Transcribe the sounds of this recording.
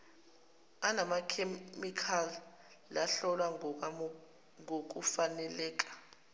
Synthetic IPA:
anamakʰemikʰalː | aɬɔlwa | ŋok̬ʼufanɛlɛːk̬ʼḁ

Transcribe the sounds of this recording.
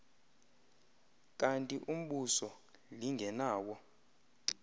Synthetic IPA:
kʼantʼiʔum̩ɓusɔ | liŋɡʱɛnaːwɔ

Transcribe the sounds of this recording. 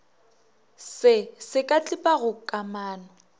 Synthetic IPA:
sɪsɪkʼat͡ɬʼɪpʼaɣʊkʼamaːnɔ

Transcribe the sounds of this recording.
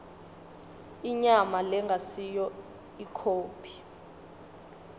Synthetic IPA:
iɲamalɛŋɡʱasijɔ | ikʰoːpʰi̥

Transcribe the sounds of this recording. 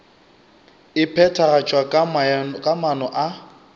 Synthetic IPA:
ɪpʰɛtʰaɣat͡ʃʼwakkʼamanɔʔa

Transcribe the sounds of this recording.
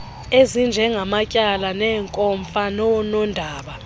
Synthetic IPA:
ezind͡ʒʱɛŋɡʱamacʼalanɛːŋkʼɔɱfanɔnɔndʱaːɓa

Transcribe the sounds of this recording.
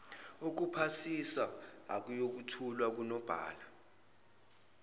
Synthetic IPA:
uk̬upʰasisa̰ː | k̬ʼujok̬utʰulwak̬unɔb̥ʱa̰ːla

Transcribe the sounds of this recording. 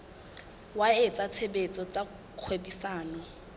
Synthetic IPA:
waet͡sʼat͡sʰebet͡sʼɔt͡sʼa | kʰwebisaːnɔ

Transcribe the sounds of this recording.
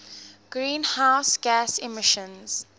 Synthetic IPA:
ɡ̥ɹĩːnhaʊsɡæsimɪʃə̃nz̥

